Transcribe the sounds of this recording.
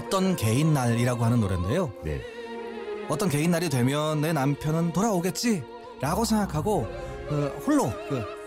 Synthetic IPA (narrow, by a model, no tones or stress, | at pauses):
ʌt͈ʌnke̞inːaɾiɾaɡoɦanɯnːoɾende̞jojḛ | ʌt͈ʌnke̞inːaɾidwe̞mjʌnːe̞nampʰjʌnɯntoɾaoɡe̞t̚t͡ɕ͈i | ɾaɡosʰe̞ŋɡakʰaɡokɯɸoɭːokɯ